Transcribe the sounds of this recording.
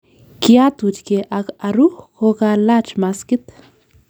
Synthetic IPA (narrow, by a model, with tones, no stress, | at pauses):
kja˦t̪wut͡ʃke˨ʔakaɾuhko˧ka˧la˦t͡ʃma˧skit̪